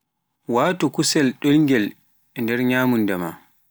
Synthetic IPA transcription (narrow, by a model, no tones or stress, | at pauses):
waːtukusɛlɗolŋɡɛl | ɛndɛɾɲaːmundɛma̰